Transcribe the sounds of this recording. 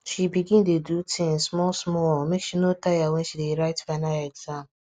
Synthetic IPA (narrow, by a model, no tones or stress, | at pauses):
ʃibiɡĩndedutʰĩŋsmɔlsmɔmekʃinotajawɛ̃ʃideɾaɪtfanaɛɡzãm